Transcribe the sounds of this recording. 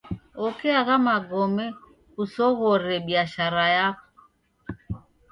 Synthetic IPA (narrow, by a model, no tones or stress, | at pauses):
ɔkɛaɣamaɡɔmɛ | usɔɣɔɾɛɓiaʃaɾajakɔ̥